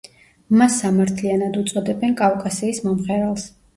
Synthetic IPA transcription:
masːamaɾt̪ʰlianad̪ut̪sʼɔd̪ɛbɛnkʼafkʼasiːsmɔmχɛɾalˠs

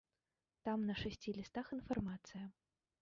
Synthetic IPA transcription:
t̪amnɐʂasʲt͡sʲilʲist̪axinfarmat̪sɨjɐ

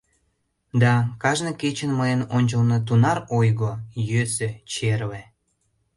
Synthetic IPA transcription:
d̪ɑkɑʒnəket͡ɕənməjənonʲt͡ɕəlnot̪̬unɑɾojɣojøsøt͡ɕerle

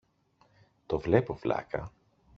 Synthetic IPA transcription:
t̪ovle̞po̞vlɐ̰kɐ

